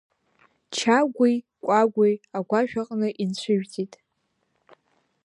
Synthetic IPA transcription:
t͡ʃʰaɡʷij | kʷʼaɡʷijaɡʷaʒᶣaqʼnɨʔint͡ɕʷʰʊʒᶣtʰʼitʼ

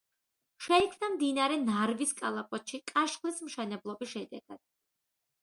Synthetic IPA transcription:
ʃɛikʰvnamd̪inaɾɛnaɾviskʼalˠapʼɔt̪ʃikʼaʃχlismʃɛnɛblˠɔbisʃɛd̪ɛɡ̥ad̪̥̚

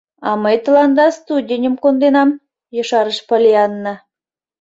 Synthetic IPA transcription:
ɑ̰mɤjt̪ə̆lˠɑnd̪ɑst̪udʲenʲimkond̪enɑm | jɤ̆ʃɑɾəʃpolʲiɑnːɤ

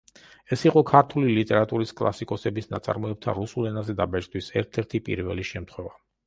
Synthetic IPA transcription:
ɛsiqʼɔkʰaɾt̪ʰulilit̪ʼɛɾat̪ʼuɾiskʼlˠa̰sikʼɔsɛbisna̰t̪sʼa̰ɾmɔɛb̚t̪ʰa̰ɾusulɛnazɛd̪abɛt͡ʃʼd̪ʰʼwisɛɾt̪ʰɛɾt̪ʰipʼḭɾvɛ̰liʃɛmt̪χwɛva

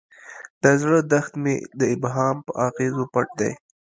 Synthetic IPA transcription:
d̪̥azɽəd̪axt̪med̪əɪbɦɑːmpəʔɑɣezopaʈ̚d̪a̰j

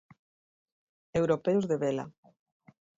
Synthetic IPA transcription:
ewɾopeʊzðeβela̰

